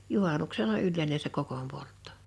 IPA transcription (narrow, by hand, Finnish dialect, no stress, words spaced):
juhɑˑnuksenɑ ylːeˑine se kokom poltːo̥